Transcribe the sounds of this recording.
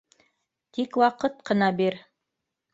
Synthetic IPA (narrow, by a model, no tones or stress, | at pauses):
t̪ikwɑqɤt̪̚qɤ̆nɑbiɾ